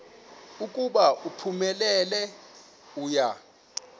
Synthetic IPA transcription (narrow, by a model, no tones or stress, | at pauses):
ukʼuɓaʔupʰumɛlɛlɛ | uːja